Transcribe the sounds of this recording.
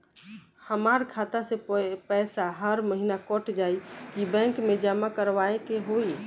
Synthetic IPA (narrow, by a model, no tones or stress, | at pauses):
həmaɾkʰat̪asepɛsaɦəɾməɦinakɔʈʰd͡ʒaikibɛ̃ŋkmed͡ʒamakəɾʋaekeɦoi